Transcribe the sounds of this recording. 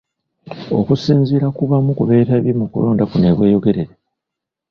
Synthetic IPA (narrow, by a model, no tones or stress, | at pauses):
o̞̰kusiːnziɾakuβamukuβe̞ːtaβjimukṵlo̞ːndakune̞βwe̞ːjo̞ɡe̞ɾeɾe